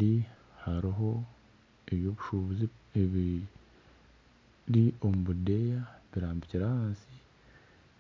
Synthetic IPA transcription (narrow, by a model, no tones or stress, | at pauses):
di | haɾiɦo̞ | eβjo̞βuʃuβuziβi | ɾio̞muβudejaβiɾaːmbiciɾahaːnsi